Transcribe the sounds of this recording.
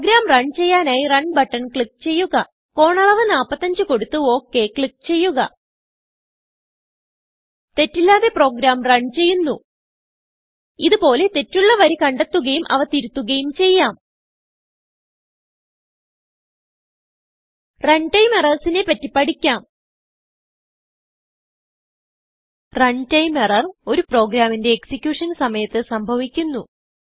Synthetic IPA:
ɡɾaːmrɐɳɖt͡ɕe̞jːaːnaːjirɐɳɖbɐʈːɐnkɭik̚t͡ɕe̞jːuɣɐ | ko̞ːɳɐɭɐʋɐnaːpːɐt̪ːɐɲd͡ʑɨko̞ɽut̪ːɨo̞ːkːe̞kɭikt͡ɕe̞jːuɣɐ̰ | t̪e̞tːilːaːðe̞pro̞ːɡɾaːmrɐɳɖt͡ɕe̞jːunːu | iðupo̞ːle̞t̪e̞tːuɭːɐʋɐɾikɐɳɖet̪ːuɣɐjumʔɐ̰ʋɐt̪iɾut̪ːuɣɐjumt͡ɕe̞jːaːm | rɐɳɖʈɐjmerɐrsinepɐtːipːɐɽikʲːaːm | rɐɳɖtɐjmerɐro̞ɾupro̞ːɡɾaːminde̞ːksikʲjuːʂɐnsɐmɐjɐt̪ːɨsɐmbʱɐʋikʲːunːu

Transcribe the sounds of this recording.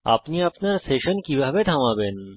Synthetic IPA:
a̰pniapnaɾseʃənkibʱabed̪ʱaʋaben

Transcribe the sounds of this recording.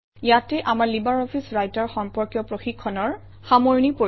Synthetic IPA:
jatɛʔamaɹlibaɹɔpʰisɹajtaɹxɔmpɔɹkjɔpɹoxikʰːɔnɔɹ | xamoɹnipo

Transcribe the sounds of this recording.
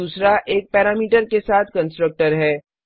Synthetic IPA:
uːsɾaʔeːk̚pɛːɾaːmiːʈəɾkesaːt̪ʰkə̃nsʈɾək̚ʈəɾɦɛː

